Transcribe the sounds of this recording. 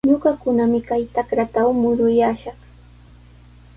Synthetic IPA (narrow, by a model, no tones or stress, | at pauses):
ɲoɢɑkʊnamɪkajt̪akɾat̪awmʊɾʊjaːʃɑχ